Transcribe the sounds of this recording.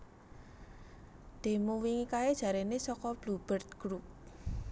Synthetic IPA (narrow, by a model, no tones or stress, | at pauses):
d̪̥e̤muwiŋikaed̥ʒ̥ä̤ɾenesɔkɔb̥lub̥ərt̪̚ɡ̥ɾup̚